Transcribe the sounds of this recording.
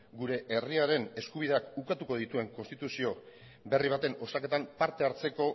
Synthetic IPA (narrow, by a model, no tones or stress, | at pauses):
ɡuɾe̞ʔeriaɾe̞ne̞skuβ̞iðe̞akukat̪uko̞ð̞it̪ue̞ŋko̞nst̪it̪usio̞ | be̞riβat̪e̞no̞sake̞t̪ampaɾt̪e̞aɾt͡se̞ko̞